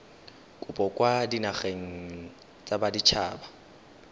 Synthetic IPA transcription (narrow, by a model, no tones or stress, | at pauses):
kʼʊpʼɔkʼwadinaχeŋ̩ | t͡sʼabadit͡ʃʰaːba